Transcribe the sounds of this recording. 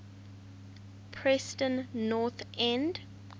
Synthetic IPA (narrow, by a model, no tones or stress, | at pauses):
pʰɹɛstə̃nːɔθɛ̃nd